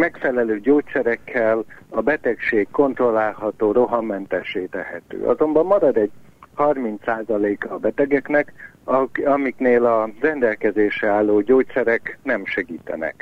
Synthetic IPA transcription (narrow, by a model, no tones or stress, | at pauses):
mɛkfɛlɛløːɟoːt̪sɛɾɛkʰːɛlɒbɛt̪ɛkʃeːkko̞nt̪ro̞lːaːlɦɒt̪oːɾo̞ɦɒmɛnt̪ɛʃeːt̪ɛɦɛt̪ø̰ːʔɒ̰zo̞mbɒmːɒɾɒd̪ɛɟ̚ | hɒrmint̪saːzɒleːkɒːbɛt̪ɛɡɛknɛk | ɒmikneːlɒrɛnd̪ɛlkɛzeːʃɛaːlːoːɟoːt̪sɛɾɛknɛmʃɛɡiːt̪ɛ̰nɛ̰k